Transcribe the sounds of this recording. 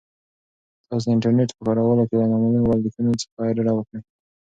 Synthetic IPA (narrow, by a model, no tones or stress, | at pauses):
t̪ɑs̬d̪əɪɳʈaɾneʈpəkɑɾawəlokelanamaliwald̪ikunot͡sə̥aɾaɽawəkɽə